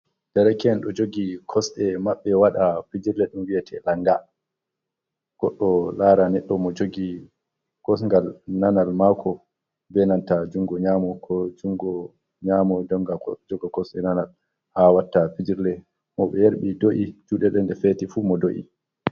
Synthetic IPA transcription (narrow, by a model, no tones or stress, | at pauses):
d̥ɛɾɛkɛnɗɔd͡ʒoɡikʰɔsɗɛmaɓːɛwaɗapid͡ʒiɾlɛɗumwiɛtʰɛlaŋɡa | ɡ̥ɔɗːɔlaɾanɛɗːɔmɔd͡ʒoɡi | kɔsŋɡalnanalmakʰɔ | bɛnantad͡ʒuŋɡɔɲamɔkʰɔd͡ʒuŋɡɔ | ɲaːmɔdɔŋɡad͡ʒɔɡɔkɔsɗɛnanal | hawatːafid͡ʒiɾlɛ | mɔɓɛjaɾɓidoʔid͡ʒuɗɛɗɛnɗɛfɛtifumɔdoʔḭ